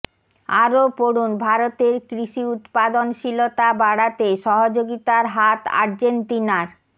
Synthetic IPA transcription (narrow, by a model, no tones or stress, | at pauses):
aɾopoɽunbʱaɾot̪eɾkɾiʃiut̪pad̪onʃilot̪abaɽat̪eʃɔɦod͡ʑoɡit̪aɾɦat̪a̰ɾd͡ʑent̪inaɾ